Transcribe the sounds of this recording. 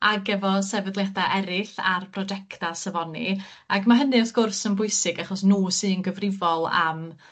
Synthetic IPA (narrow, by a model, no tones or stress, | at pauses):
aɡɛvɔsɛvədlˠjadaʔɛɾɪθarpʰrɔd͡ʒɛktasəvɔni | aɡmaɦənɨɔθɡ̥ʊrsənbʊɨsɪɡaχɔsnuːsɨːnɡəvrɪvɔlˠə̰m